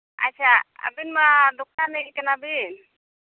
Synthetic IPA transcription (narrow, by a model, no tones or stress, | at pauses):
a̰t͡ʃʰaa̰binmad̪ukʰːaɾnɛik̪ɛnabin